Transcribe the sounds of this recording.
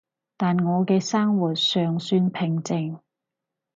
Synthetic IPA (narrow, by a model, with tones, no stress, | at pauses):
t̪aː˨˩nŋɔː˨˧kɛː˧saː˥ŋwuː˨˩t̚sœː˨ŋsyː˧npʰɪ˨ŋt͡sɪ˨ŋ